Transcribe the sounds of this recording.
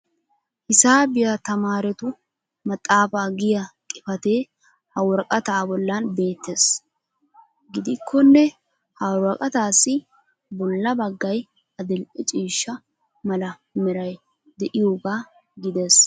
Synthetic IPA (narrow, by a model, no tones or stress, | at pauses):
hɪsaːbɪjɐt̪ɐmaːɾɛt̪ʊ | mɐt̪ʼːaːfaːɡɪjɐkʼɪfɐt̪e̞ː | hɐwɔɾkʼɐt̪aːbɔlːɐnbe̞ːt̪ːeːs | ɡɪd̪ɪkʰːɔnːɛ | hɐwɾɐkʼɐt̪aːsːɪ | bɔlːɐbɐɡːɐj | ɐd̪ɪlt͡ʃʼiːʃːɐ | mɐlɐ | mɛɾɐj | d̪ɛʔɪjoːɡaː | ɡɪd̪eːs